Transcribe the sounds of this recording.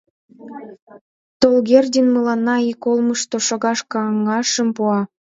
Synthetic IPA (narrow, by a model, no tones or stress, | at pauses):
t̪olɣerd̪ʲenməlɑnːɑikolməʃt̪oʃoɣɑʃkɑŋːɑʃə̆mpuɑ